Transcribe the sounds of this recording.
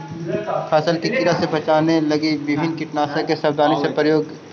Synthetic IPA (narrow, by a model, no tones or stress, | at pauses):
kʰɛːsəlkikiɾasebɐt͡ʃaːnelɐɡiʋɪbʱɪnkɪʈnaːsakesɐbd̪aːnisepɾəjoːɡ̪